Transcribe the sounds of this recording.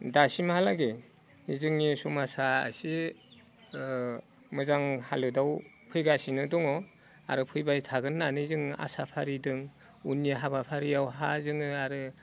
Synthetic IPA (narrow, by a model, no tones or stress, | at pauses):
dasimahalaɡe | izɯŋnisumasaa̰si | mɯzaŋhalɯdaw | pʰɯjɡasinɯdɔŋɔ | a̰ɾɯpʰɯjbajtʰaɡɯnːanɯzɯŋa̰sapʰaɾidɯŋ | unːiaɦabapʰaɾijawɦazɯŋɯaɾɯ